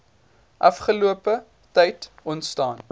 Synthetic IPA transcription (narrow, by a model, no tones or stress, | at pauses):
ʔɐ̰fχəluəpə | tɐjt | ɔntstɑːn